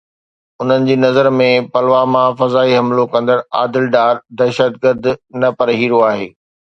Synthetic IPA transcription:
ʊn̤ənɪ̆d͡ʑiːnɐzəɾmẽpɐlʋamãfɐzaːiɦɐmlokɐ̃nd̪əɾa̰ːd̪ɪlɖaːɾd̪ɐʃət̪̚ɡəɾd̪nɐpɐɾɦiːɾoaːɦeː

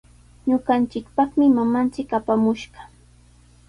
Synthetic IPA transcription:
ɲʊɢɑnt͡ʃɪkpɑχmɪmamant͡ʃɪkapamʊʃɢɑ

